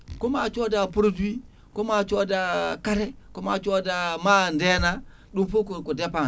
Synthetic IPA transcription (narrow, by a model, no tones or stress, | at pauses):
komat͡ʃodapuɾudui | komat͡ʃodakaɾekomat͡ʃodamandena | ɗupukukudepa